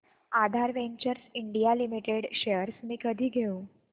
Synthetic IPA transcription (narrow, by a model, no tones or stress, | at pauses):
ad̪ʱaɾʋeɲt͡ɕəɾsiɳɖijalimiʈeɽɕejəɾsmiːkəd̪ʱiːɡʱeũ